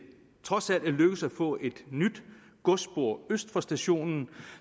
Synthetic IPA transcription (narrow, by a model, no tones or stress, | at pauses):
t͡sʰʁɒ̽sæl̰d̥eløɡ̥əsæ̥fɔ̰̽ːʔe̝d̥nyd̥ | ɡ̥ɔ̽sb̥o̝ɐ̰øsd̥fɒsd̥æɕo̝̰ːnn̩